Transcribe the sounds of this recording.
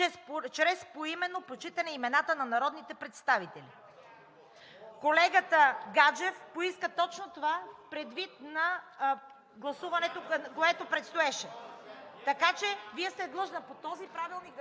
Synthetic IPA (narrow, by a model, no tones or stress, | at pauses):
ɛt͡ʃɾɛspoimɛnːopot͡ʃit̪ɐnɛimɛnat̪ənɐnɐɾɔd̪nit̪ɛpɾɛt̪st̪avit̪ɛlḭ | kolɛɡət̪əɡad͡ʒɛfpoiskət̪ɔt͡ʃnot̪ovapɾɛd̪vit̪̚nɐ | ɡlˠɐsuvɐnɛt̪okoɛt̪opɾɛt̪st̪oɛʃɛ | t̪ɐkat͡ʃɛviɛst̪ɛd̪lˠɤʒnəpot̪ɔzipɾavilˠni